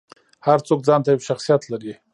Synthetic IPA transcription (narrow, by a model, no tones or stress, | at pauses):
haɾt͡sok̚d͡zɑnt̪ajawʃaxsijat̪laɾi